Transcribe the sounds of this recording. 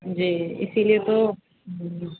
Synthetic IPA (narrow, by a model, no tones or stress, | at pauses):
d͡ʑiːɪ̰siliet̪o